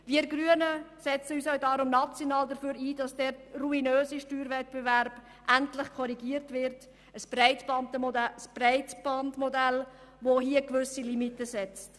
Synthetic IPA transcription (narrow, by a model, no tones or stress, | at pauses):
viːɾɡɾyənəsɛt͡səyːsœʊdɑːɾʊmnɑt͡sjonɑːldəføːɾiːd̥ɑsd̥ɛːɾruinøːziʃtyːɾvɛtb̥evæɾb̥ | ʔæntlɪχkʰɔɾiɡiəɾtʋɪɾt | əsb̥rɛɪtb̥ɑntəmɔdəsb̥rɛɪtb̥ɑndmɔdæl | ʋoɦiəkʋʏsilimitəsɛt͡st